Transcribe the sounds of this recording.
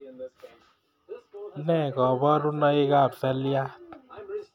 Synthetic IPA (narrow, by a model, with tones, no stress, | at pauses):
nɛ˦˨kɔ˨bɔ˦ɾu˦nɔ˦e˦ka˦˨psɛ˦lja˦